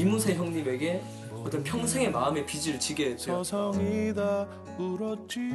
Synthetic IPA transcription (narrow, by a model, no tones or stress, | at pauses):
imusʰeçjʌŋɲime̞ɡe̞ | ʌt͈ʌnpʰjʌŋusʰeŋe̞maɯme̞pid͡ʑiɾɯɭt͡ɕʰiɡesʌsʰʌŋida | kuɾʌt͡ɕ͈i